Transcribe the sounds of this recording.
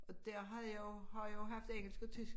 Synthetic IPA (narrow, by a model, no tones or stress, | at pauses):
ɒ̽d̥æɐ̰ɦɑ̈joʊhɑ̈joɦɑ̈fd̥eŋ̰l̩sɡ̥ət͡sʰy